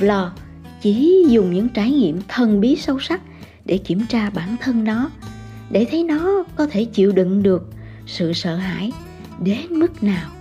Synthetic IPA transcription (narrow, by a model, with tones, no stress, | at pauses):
lɔ˨˩ | t͡ɕi˧˩˥zʊ˨˩ŋ͡mɲɨ̰˧˥ŋt͡ɕaː˧˩jŋḭ˧˨əmt̪ʰə˨˩nɓi˨˦sə˧wsa˦˥k̚ | ɗe˧˩ki˧˩əmt͡ɕaː˧ɓaː˧˩nt̪ʰə˧nnɔ˨˦ | ɗe˧˩t̪ʰə˨˦jnɔ˨˦kɔ˨˦t̪ʰe˧˩t͡ɕḭ˧˨əwɗɨ̰˧˨ŋɗɨ˨˩ək̚ | sɨ̰˧˨sə̰ː˧˨ɦa̰ː˧˨j | ɗe˨˦nmɨ˦˥k̚naː˨˩w